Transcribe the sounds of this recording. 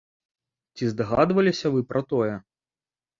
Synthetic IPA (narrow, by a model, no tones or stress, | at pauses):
t͡sʲizd̪ɐɣad̪vɐlʲisʲɐvɨpɾʔɐt̪ɔjɛ